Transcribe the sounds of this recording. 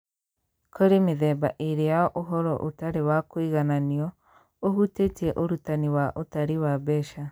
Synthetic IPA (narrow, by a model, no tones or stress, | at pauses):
kʰoɾemeðɛba̰ʔiɾejaɔʔoɦɔɾɔ̰ʔotaɾewakwiɣananiɔ | ohutetiɛʔoɾutaniwaʔotaɾiwaβɛʃa